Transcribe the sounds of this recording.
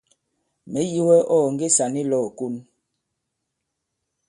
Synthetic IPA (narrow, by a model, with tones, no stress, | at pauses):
mɛ˨˦ji˦wɛ˦ʔɔː˦˨ŋ˦ɡe˦sa˨ni˦lɔ˦˨ku˦n